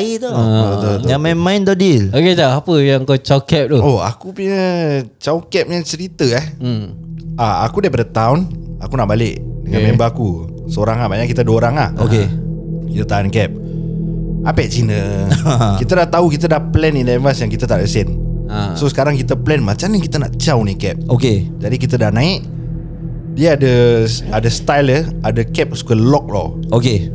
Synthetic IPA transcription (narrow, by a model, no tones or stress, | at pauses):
it̪ot̪ot̪amanmãjnd̪ɔdiloket̪aapəjaəŋkat͡ʃawkɛp̚t̪uoa̰kupuɲət͡ʃawkɛp̚ɲat͡ʃəɾit̪əɛh̩ | aa̰kudepadət̪awnakunaʔbalɪʔdəŋãmembaaku | səoɾaŋabaɲaʔkit̪ədəoɾaŋa̰ho̰kekit̪at̪aankɛp̚ | apɛʔt͡ʃinə | kit̪ədaht̪aukit̪ədahplɛnindɛvasjaŋkit̪ət̪aʔdəsɛnsosə̥kaɾaŋkit̪əplɛnmat͡ʃaməŋkit̪ənaʔt͡ʃawnikɛp̚oked͡ʒadikit̪ədahnãɪʔ̚ | diaadəadəst̪ajləadəkɛp̚su̥kəlɔk̚lɔoke